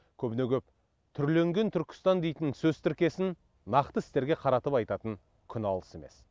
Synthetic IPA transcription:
kʲʰɵbɪne̞kʲʰɵp̚ | t̪ʰʏɾle̞ŋɡʲe̞nt̪ʰʏɾkʲʰɪ̥st̪ɑnd̪e̞jt̪ɪnsɵzt̪ʰɪɾkʲe̞sɪnː | ɑqt̪əɪst̪e̞ɾɡʲe̞qʰɑɾɑt̪əpɑjt̪ɑt̪əŋ | kʲʰʏnɑlˠə̥se̞me̞̰s

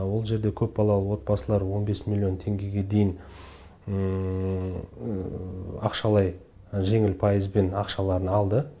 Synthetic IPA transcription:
wo̞lˠʒe̞ɾd̪e̞kʲʰɵpbɑlˠɑlˠəwo̞t̪̚bɑsəlˠɑɾwo̞nbe̞smilʲːjo̞nt̪ʰe̞ŋɡʲe̞ɡʲe̞d̪e̞jɪn | ɑqʃɑlˠɑj | ʒe̞ŋɪlpʰɑjəzbe̞nɑqʃɑlˠɑɾənɑlˠd̪ə

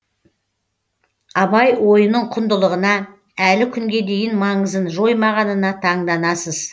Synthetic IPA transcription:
ɑbɑjwo̞jənəɴqʰʊnd̪əlˠəʁənɑ | ælɪkʲʰʏŋɡʲe̞d̪e̞jɪnmɑɴəzənʒo̞jmɑʁɑnənɑt̪ʰɑɴd̪ɑnɑsəz̥

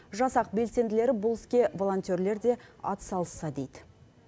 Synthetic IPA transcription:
ʒɑsɑq̚be̞lse̞nd̪ɪle̞ɾɪbʊlˠɪskʲe̞vo̞lˠo̞nt̪ʲeɾle̞ɾd̪e̞ɑ̰t̪ə̥sɑlˠəsːɑd̪e̞jd̪ɪ

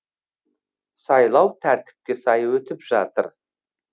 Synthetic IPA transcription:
sɑjlˠɑwt̪ʰæɾt̪ɪ̥p̚kʲe̞sɑjwɵt̪ɪpʒɑt̪əɾ

